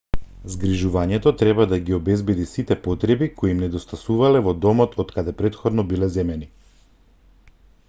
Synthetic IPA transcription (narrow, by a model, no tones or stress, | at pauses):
zɡɾiʒuvaɲɛt̪ɔt̪ɾɛβad̪aɡiɔbɛzbɛd̪isit̪ɛpɔt̪ɾɛbikoiːmnɛd̪ɔst̪asuvalɛvɔd̪ɔmɔt̪ʰɔt̪kad̪ɛpɾɛt̪xɔd̪nɔbilɛzɛmɛni